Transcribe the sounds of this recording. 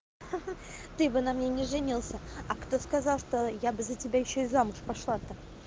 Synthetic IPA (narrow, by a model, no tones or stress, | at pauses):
t̪ɨbɨnamnʲenʲɪʐɨnʲilˠsʲəɐkt̪o̞skɐzɑlˠʂt̪o̞jabɨzətʲɪbʲajɪɕːoɪzamʊʂpɐʂlˠat̪ə